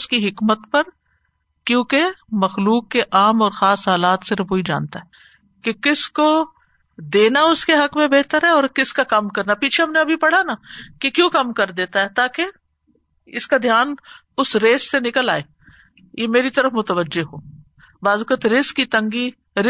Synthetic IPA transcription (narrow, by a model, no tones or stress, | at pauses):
ʊskiɦɪkmət̪pɐɾ | kjõːkemɐxluːkːeʔaːmɔːɾxaːsɦaːlaːt̪sɪɾfoːid͡ʒa̰ːnt̪aɦɛː | kekɪsko | d̪eːnaʊskeɦɐkmẽbeːɦt̪əɾɦɛɔːɾkɪskakɐmkɐɾnapiːt͡ʃʰeɦɐmneɐbʱipɐɽ̤anakekjõːkɐmkɐɾd̪eːt̪aɦɛt̪aːke | ɪskad̪ʱjaːn | ʊsɾeːsːenɪkəlaːeː | jemeːɾit̪ɐɾəfmʊt̪əʋəd͡ʒːeɦoː | baːzʊkət̪ɾɪskːit̪ɐ̃ŋɡi | ɾɪ